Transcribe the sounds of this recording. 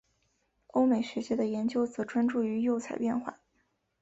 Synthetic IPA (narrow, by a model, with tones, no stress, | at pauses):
o˥ʊme˨˩ɪʂɻ̩˧˥t͡ɕjɛ˥d̪ə˨jɛ˧˥nt͡ɕjo˥ʊt͡sɤ˧˥ʈ͡ʂwa˥nʈ͡ʂu˥˩y˧˥jo˥˩ʊt͡sʰa˨˩ɪpjɛ˥˧nxwa̰˥˩